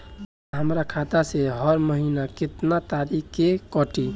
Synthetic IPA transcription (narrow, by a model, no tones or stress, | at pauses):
ɦəmɾakʰat̪aseɦɔɾməɦinakɪt̪nat̪aɾikkːekɔʈi